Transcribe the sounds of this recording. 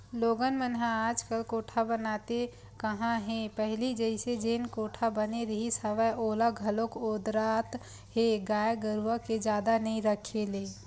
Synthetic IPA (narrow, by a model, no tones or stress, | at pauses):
loːɡənmənɦãaːd͡ʒkəlkoːʈʰabənaːt̪e | kəɦãɦɛ̃pəɦlid͡ʒəɪsed͡ʒeːnkoːʈʰabəneɾəɦisəʋəjʔoːlaɡʱəlokoːd̪ɾat̪ | ɦeɡaːjɡəɾuəked͡ʒjaːd̪anəĩɾəkʰeleː